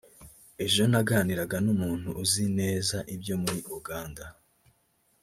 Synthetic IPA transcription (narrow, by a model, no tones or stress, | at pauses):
e̞ʒo̞naɡaniɾaɡanumuːn̥huːzine̞ːzaʔibjo̞muɾiʔuɡaːnda